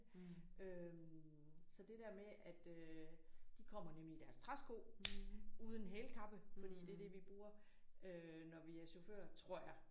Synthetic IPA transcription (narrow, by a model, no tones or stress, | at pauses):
ʔøm | sɒ̽d̥e̝d̥æɐ̰meʔæd̥ø | d̥ikʰɒ̽m̰ɐnemlid̥æɐst͡sʰʁasɡ̥o̝̰ː | uːð̞ˠən̩ɦeːlkʰɑ̈b̥əfɒd̥ḭːd̥e̝æɐd̥e̝ʋib̥ʁuːɐ | ø | nɒʋiæɐɕo̝fø̰ːɐt͡sʰʁo̝ɐ̰jɑ̈ɪ